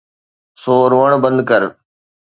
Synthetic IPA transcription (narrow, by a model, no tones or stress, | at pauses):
soːɾoəɳ̃bə̃nd̪̚kəɾ